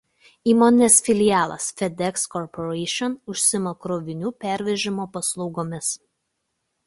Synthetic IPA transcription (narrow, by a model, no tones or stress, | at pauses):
iːmoːnʲɪnʲesfʲɪlʲɪjæːlˠɐ̰sfʲɛd̪ʲɛkskɔɾpɔɾɛɪʃʲɔnʊʃʲsʲɪmɐkɾoːʋʲɪnʲuːpʲæˑɾʲʋʲɛʒʲɪmoːpɐslˠɔʊɡoːmʲɪs